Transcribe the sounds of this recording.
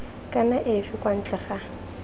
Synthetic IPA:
kʼanaʔɪfɪkʼwan̩t͡ɬʼɛχa

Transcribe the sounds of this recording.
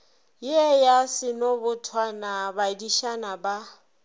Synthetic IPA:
jɛjasɪnobʊtʰwanabadiʃanaba

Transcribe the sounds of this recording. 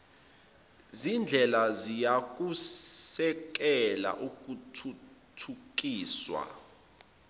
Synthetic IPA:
zind͡ɮʱɛlazijak̬ʼu | ɛk̬ɛla̰ʔuk̬utʰutʰuk̬ʼiːswa̰

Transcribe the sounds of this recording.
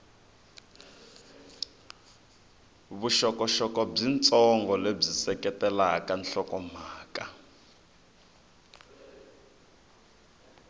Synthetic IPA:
βuʃɔkɔʃɔkɔb͡ʐint͡sʼɔŋɡɔleb͡ʐisɛkɛtɛlakanɬɔkɔm̤aːka

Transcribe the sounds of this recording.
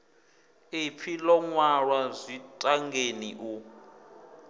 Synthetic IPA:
ipʰilɔŋwaɺwazʷitʼaŋɡeniʔu

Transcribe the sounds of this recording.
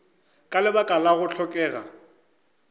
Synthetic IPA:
kʼalɪbakʼalaɣʊɬʰɔkʼɛːɣa̰

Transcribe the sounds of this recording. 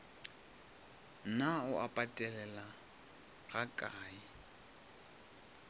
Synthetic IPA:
naʊʔapʼatʼɛlɛla | ɣakʼaːi

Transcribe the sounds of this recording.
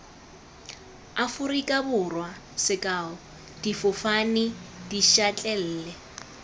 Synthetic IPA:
afʊrikʼabʊrwa | sɪkʼaːʊ | d̥ifʊfanɪd̥iʃat͡ɬʼɛl̩ːlɛ

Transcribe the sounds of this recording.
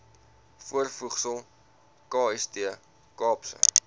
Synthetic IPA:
fuərfuχsəlˠ | kɑːɛstiə | kɑːpsə̰

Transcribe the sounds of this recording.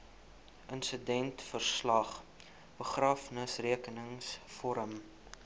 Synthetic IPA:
ʔənsədɛntfərslɐχ | b̥əχrɑːfnəsriəkənəŋsfɔɾəm

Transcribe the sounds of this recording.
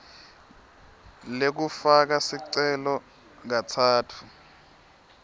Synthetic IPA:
lek̬ufak̬asiǀɛlɔ | ŋat͡sʰaːtʰu̥

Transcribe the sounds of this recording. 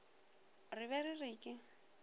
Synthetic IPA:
rɪβɛrɪrɪːkʼɪ

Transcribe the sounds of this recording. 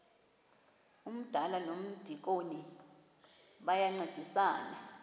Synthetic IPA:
um̩d̥ʱalanom̩d̥ʱik̬oni | ɓajaŋ͡ǀed̥ʱisaːna

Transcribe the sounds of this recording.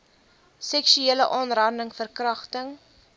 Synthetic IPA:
sɛkʃyeːləʔɑːnrɑrndəŋfərkrɐχtəŋ

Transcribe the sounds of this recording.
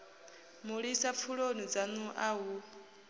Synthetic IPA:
muɺisap̪fʰuɺonid͡zanuʔaɦu

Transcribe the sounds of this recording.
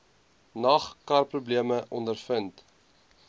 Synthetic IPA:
nɐχkɐrprubliəməʔɔndərfənt

